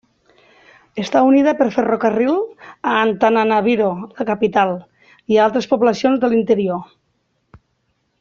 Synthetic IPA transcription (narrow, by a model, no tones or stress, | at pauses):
est̪auniðapeɾferokarilˠaːnt̪ananaβ̞iɾolakapit̪alˠ | ialˠt̪ɾespoβlasionzðelint̪eɾio